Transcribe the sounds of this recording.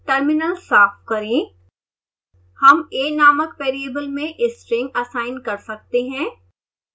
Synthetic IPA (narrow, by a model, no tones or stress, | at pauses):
ʈɐɾmɪnəlsaːfkɐɾẽː | hɐmeːnaːməkpeːɾieːbəlmẽʔɪsʈɾɪ̃ŋɡɐsaːɪnkɐɾsɐk̚t̪eɦɛ̃ː